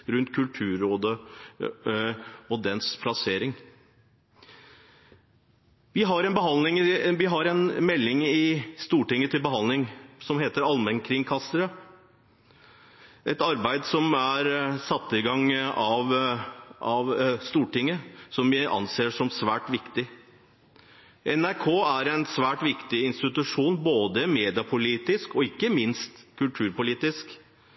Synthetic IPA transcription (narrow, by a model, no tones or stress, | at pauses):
ɾʉnt̪kʰʉlt̪ʰʉːɾoːd̪ə | ɔd̪ɛnspʰlɑseːɾɪŋ | ʋɪɦɑɾɛnbəɦɑnlɪŋʋɪɦɑɾɛnmɛlːɪŋɪst̪uːʈɪŋːət̪ʰɪlbəɦɑnlɪŋsɔmɦeːt̪əɾɑlmɛnkʰɾɪŋkʰɑsəɾə | ʔɛt̪ɑɾbæɪd̪sɔmæɾsɑt̪ːɪɡɑŋɑʋ | ɑʋst̪uːʈɪŋːəsɔmʋɪʔɑ̰nseːʂɔmsʋæːʈʋɪkt̪ɪ | ʔɛnæɾkʰoːæɾɛɪnsʋæːʈʋɪkt̪ɪɪnst̪ɪt̪ʉʂuːnboːd̪əmeːd̪ɪɑpʰʊliːt̪ɪskɔɪkːəmɪnst̪kʉlt̪ʰʉːɾpʊliːt̪ɪsk